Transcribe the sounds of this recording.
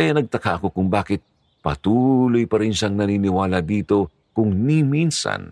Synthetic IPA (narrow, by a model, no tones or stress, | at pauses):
ɐjanɐɡ̚t̪ɐkaʔɐko̞kʊŋbaːkɪt̪̚ | pɐt̪uːlo̞jpɐɾɪnʃaŋnɐniːnɪwaːlɐd̪iːt̪o̞ | kʊŋniminsɐ̰n